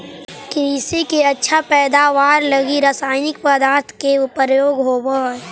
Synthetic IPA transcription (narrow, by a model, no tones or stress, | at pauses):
kɾisikeɐtːʃʰapɛːd̪aːʋaːɾləɡiɾəsaːɪnɪkpəd̪aːɾt̪ʰkeʊpɾjoːɡɦoːbə